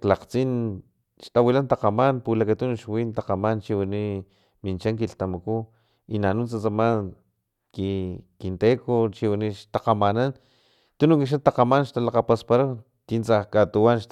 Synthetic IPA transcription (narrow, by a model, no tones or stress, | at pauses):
klaqt͡sin | ʃt̪awilant̪aqamanpulakat̪unuʃwint̪aqamant͡ʃiwini | mint͡ʃaŋkiɬt̪amaku | inanunt͡sat͡saman | kikint̪ekot͡ʃiwiniʃt̪aqamanan | t̪unuŋkiʃ̬at̪aqamanʃt̪alaqapaspaɾa | t̪int͡sahkat̪uwanʃ